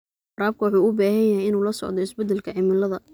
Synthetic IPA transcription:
ɐɾaːb̚kʰɐwɑħuːʊbaːɦɐjɐɦɛjɪnuːlɐsɔ̰ʕd̪ɔɪsbɛd̪ːɛlkʰɐʕɪmɪlɐðɐ

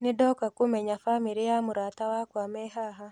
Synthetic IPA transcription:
nɪdɔkakomɛɲafamiɾiamuɾatawakwamɛɦaɦa

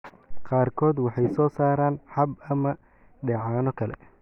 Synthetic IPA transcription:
qɑːrkʰɔːd̪wɑħɑjsɔːsaːɾaːnħɐbɐmɐ | ɖɛʕaːnɔkʰɐlɛ̰

